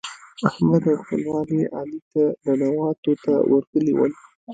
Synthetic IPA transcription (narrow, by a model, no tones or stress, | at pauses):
ahmad̪awxpəlwɑniʔɑ̰lit̪ad̪ənawɑt̪ot̪a̰wʔəɾkəliwə̰l